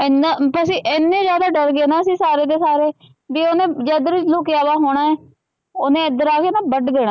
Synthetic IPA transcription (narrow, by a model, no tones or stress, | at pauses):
ɪnapəs̬iːʔɪnːẽːd͡ʒjaːd̪aːɖəɾɡeːnaːəsĩːsaːɾeːd̪eːsaːɾeː | biːonẽːd͡ʒɛːd̪əɾʋɪt͡ʃloːkjaːʋaːɦoːɽ̃aːɛː | ʊnẽːd̪əɾaːkeːnaːbəɖd̪eːɽaː